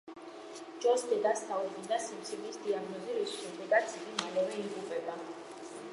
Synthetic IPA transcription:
d͡ʒɔsd̪ɛd̪asaubund̪asimt̪sʰilisd̪iaɡnɔziɾisʃɛmd̪ɛɡat̪sʰiɡimalɛvɛiɡupʼɛba

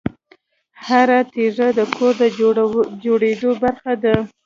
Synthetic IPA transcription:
haɾat̪eʐad̪əkʰoɾd̪əd͡ʒoɽed̪obaɾxad̪a

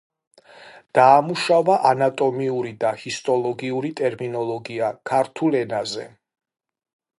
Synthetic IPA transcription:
d̪̥aːmuʃavaʔanat̪ʼɔmiuɾid̪ahist̪ʼɔlˠɔɡiuɾit̪ʼɛɾminɔlˠɔɡiakʰaɾt̪ʰulɛnazɛ̰

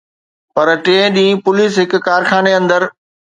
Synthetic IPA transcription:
pɐɾʈeːɗĩːpʊliːsɦɪkːaːɾxaːneɐ̃nd̪əɾ

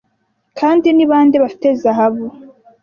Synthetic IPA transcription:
kʰaːndiniβaːndiβafi̥tezaɦaβu

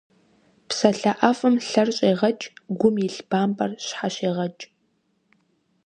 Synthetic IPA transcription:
psɐɬɐʔɐfɨmɬɐrɕʼeːʁɐt͡ʃʼɡʷʊmjiɬb̥aːmbʼɐrɕħaɕeːʁɐt͡ʃʼ

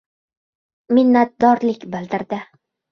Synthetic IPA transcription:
mɪnːat̪̚d̪ɒɾlɪkʲbɪld̪ɪɾd̪ɪ

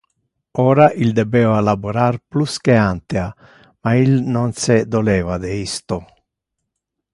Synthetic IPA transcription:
ɔːɾaʔild̪ɛbɛːvalabuɾarpluskeant̪ea | mailnonsed̪olɛːvad̪eist̪o

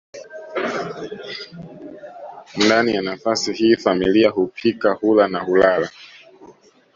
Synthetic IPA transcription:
ndanijanafasihiːfamiliahupʰikahulanahulala

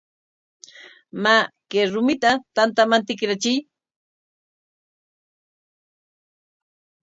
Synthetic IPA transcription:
makeɾʊmɪt̪at̪ant̪amant̪ɪkɾat͡ʃɪj

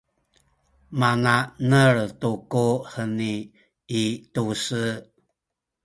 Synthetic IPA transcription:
mananəɭtukuhəniː | tusə

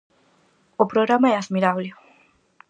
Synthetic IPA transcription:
opɾoɣɾamaɛaðmiɾaβle

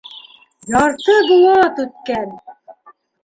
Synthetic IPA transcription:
jɑɾt̪ɤɡ̪ɤ̆jɑt̪ʉt̪̚kæn

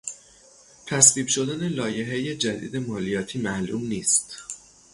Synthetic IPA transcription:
t̪ʰæsviːbʃo̞d̪æne̞lɒːje̞ɦeje̞d͡ʒæd̪ḭːd̪e̞mɒːlijɒːt̪ʰiːmæʔlṵmniːst̪

